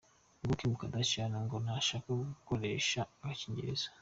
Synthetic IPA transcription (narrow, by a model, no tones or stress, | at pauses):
ŋɡukimukadacanaŋɡonaʃaːkaɡukoɾe̞ːʃaːɡaciɲɟḛɾḛz̥ḁ